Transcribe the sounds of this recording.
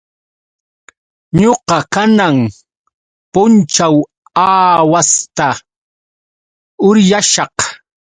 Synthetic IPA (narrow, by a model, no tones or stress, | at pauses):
ɲoqɑkanaŋ | pʊnt͡ʃaw | aːwast̪a | ʊɾjaʃɑq